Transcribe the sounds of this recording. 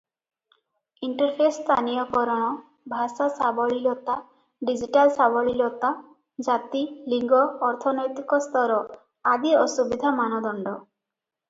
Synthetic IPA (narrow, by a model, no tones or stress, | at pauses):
iɳʈɔɾpʰest̪ʰanijɔkɔɾɔɽ̃ɔ | bʱasasabɔɭilot̪a | ɖid͡ʒiʈalsabɔɭilɔt̪a | d͡ʒat̪iliŋɡɔːɾt̪ʰɔnɔjt̪ikɔst̪ʰɔɾɔ | ad̪iɔsubid̪ʱamanɔd̪ɔɳɖɔ